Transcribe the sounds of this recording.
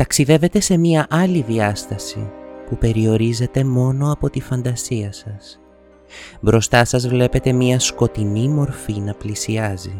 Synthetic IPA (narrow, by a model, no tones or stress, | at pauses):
t̪ɐksiðe̞ve̞t̪e̞se̞miɐʔɐliðiɐst̪ɐsḭpupe̞ɾio̞ɾize̞t̪e̞mo̞no̞ɐpo̞t̪ifɐnd̪ɐsiɐsɐs | bɾo̞st̪ɐsɐzvle̞pe̞t̪e̞miɐsko̞t̪inimo̞ɾfinɐplisiɐzi